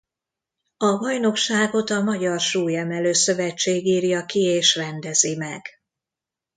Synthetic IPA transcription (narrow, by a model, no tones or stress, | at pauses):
ɒbɒjno̞kʃaːɡo̞t̪ɒmɒɟɒrʃuːjɛmɛløːsø̞vɛt͡ʃːeːɡiːrjɒkieːʃrɛnd̪ɛzimɛɡ̥